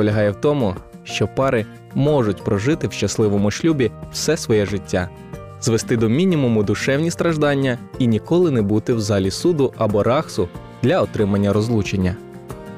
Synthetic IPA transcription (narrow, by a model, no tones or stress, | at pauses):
pɔlʲɐɦɑjɛwt̪ɔmʊ | ʃt͡ʃɔpɑɾɪ | mɔʐʊtʲpɾɔʒɪt̪ɪwʃt͡ʃɐslˠɪʋɔmʊʃlʲubʲiw̥sɛsʋɔjɛʒɪtʲːa | zʋest̪ɪd̪ɔmʲinʲimʊmʊd̪ʊʃɛwnʲist̪ɾɐʒd̪ɑnʲːɐinʲikɔlˠɪnɛbut̪ɪwzɑlʲisud̪ʊʔɐbɔɾɑxsʊ | d̪̥lʲɐɔt̪ɾɪmɐnʲːɐɾɔzlˠut͡ʃenʲːɐ